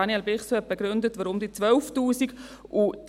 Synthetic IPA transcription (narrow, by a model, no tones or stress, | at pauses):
ɑniɛlbɪχsɛp̚beɡɾʏndətʋɔɾʊmdiːt͡sʋœlftuːsiɡʔu